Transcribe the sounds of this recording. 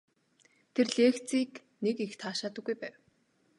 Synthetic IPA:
t̪ʰerɮeːxt͡siːk | nekext̪ʰaːʃaːt̪ə̆ɡːujpæːw

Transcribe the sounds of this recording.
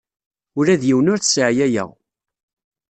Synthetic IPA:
ʊɾæðjiwnʊɾθsʕjæjə̰ʁ

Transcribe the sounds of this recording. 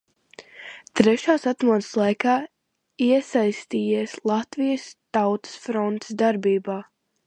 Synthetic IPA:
t̪ɾɛʃaːsat̪muɔd̪ɨ̥slˠajkaː | iɛsajst̪iːjiɛslˠat̪vijəst̪awt̪ə̥sfɾɔnt̪ɪ̥sd̪aɾbiːbaː

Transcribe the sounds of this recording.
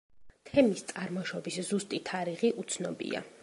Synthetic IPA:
t̪ʰɛmist̪sʼaɾmɔʃɔbiszust̪ʼit̪ʰaɾiʁiʔut̪sʰnɔbḭa̰

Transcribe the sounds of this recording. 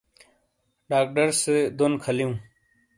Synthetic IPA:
ɖaːk̚ʈəɾsed̪onkʰəlijũː

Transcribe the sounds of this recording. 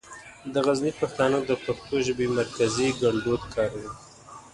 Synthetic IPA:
d̪əɣaznipaxt̪ɑnod̪əpaxt̪oʒəbemaɾkaziɡaɳɖod̪kʰɑɾawi

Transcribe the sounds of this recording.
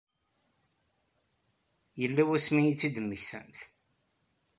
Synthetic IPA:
jəlːæwæsmijit͡sːid̪əmːəçθæ̰mθ

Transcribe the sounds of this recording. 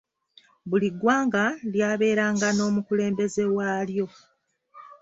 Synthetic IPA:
βuliɡwaːŋɡaljaːβe̞ːɾaːŋɡano̞ːmukule̞ːmbe̞ze̞waːljo̞

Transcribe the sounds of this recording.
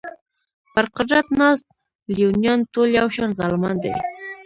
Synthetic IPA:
bəɾqəɾat̪nɑst̪̚ | liunjɑnt̪oljawʃɑnzɑlmɑnd̪ə̰j

